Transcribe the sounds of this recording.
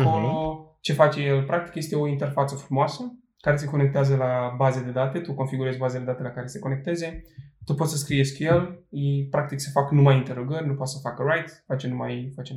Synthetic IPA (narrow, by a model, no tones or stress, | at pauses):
kolo | t͡ʃe̞fat͡ʃe̞je̞lpɾakt̪i̥kje̞st̪e̞o̞int̪e̞rfat̪səfɾumoasə | kaɾe̞s̬e̞ko̞ne̞k̚t̪eazəlabazed̪e̞d̪at̪e̞t̪uko̞nfiɡuɾe̞zʲbazed̪e̞d̪at̪elakaɾe̞se̞ko̞ne̞k̚t̪e̞ze̞t̪upot̪səskɾije̞skʲje̞lipɾak̚t̪iksefaknumajint̪e̞ɾo̞ɡərʲnupot̪səfakəɾajt̪fat͡ʃenumajfat͡ʃem